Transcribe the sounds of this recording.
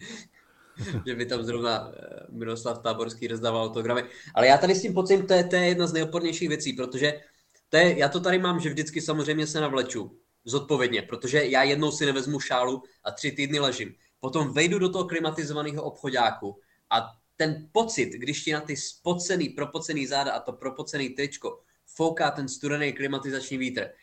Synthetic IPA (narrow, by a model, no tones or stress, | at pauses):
ʒɛbɪt̪amzɾo̞vnamɪloslaft̪aːboɾskiːɾzd̪avalawt̪oɡɾamɪʔa̰lɛjaːt̪adɪscɪmpo̞t͡sɪmt̪ojɛt̪ojɛjɛdnaznɛjot̪po̞ɾɲɛjʃiːɣvjɛt͡siːpɾo̞t̪o̞ʒɛ | t̪ojɛjaːt̪o̞t̪̬aɾɪmaːmʒɛvdɪt͡skɪsamozr̝ɛjmɲɛsɛnavlɛt͡ʃu | zo̞t̪̚po̞vjɛdɲɛpɾo̞t̪o̞ʒɛjaːjɛdno̞wsɪnɛvɛzmuʃaːluʔat̪r̝̥ɪt̪iːdnɪlɛʒɪm | po̞t̪o̞mvɛjdudo̞t̪oɦoklɪmat̪ɪzovaniːɦo̞ʔo̞pxo̞ɟaːku | ʔa | t̪ɛnpo̞t͡sɪt̪ɡdɪʃcɪnat̪ɪspo̞t͡sɛniːpɾo̞po̞t͡sɛniːzaːdaʔat̪o̞pɾo̞po̞t͡sɛniːt̪ɾɪt͡ʃko̞ | fo̞wkaːt̪ɛnst̪uɾɛnejklɪmat̪ɪzat͡ʃɲiːviːt̪r̩